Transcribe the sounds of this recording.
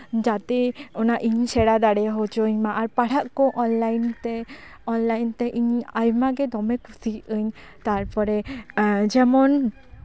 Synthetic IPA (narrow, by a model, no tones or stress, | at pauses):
d͡ʒat̪ɛɔnaʔiɲsʰɛɽad̪aɽɛɦot͡ʃoɲmaʔaɾpaɽ̤aʔkõʔɔnlajnt̪ɛ | ɔnlajnt̪ɛʔiɲajmaɡɛd̪ɔmɛkusiəɲ | t̪aɾpɔɾɛ | d͡ʒɛmɔn